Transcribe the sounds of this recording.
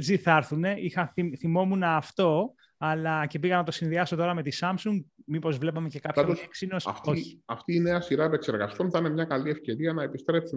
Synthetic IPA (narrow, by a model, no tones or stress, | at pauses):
t͡siθɐɾθune̞ixɐθiθimo̞munɐːft̪o̞ | ɐlɐce̞piɣɐnɐt̪o̞sinðiɐso̞t̪o̞ɾɐme̞t̪isɐmsuŋɡmipo̞zvle̞pɐme̞ce̞kɐpçɐeksinosɐ̰ft̪oçi̥ɐft̪iːne̞ɐsiɾɐepe̞kse̞ɾɣɐst̪onθɐinemɲɐkɐlie̞fce̞ɾiɐnɐepist̪ɾe̞psi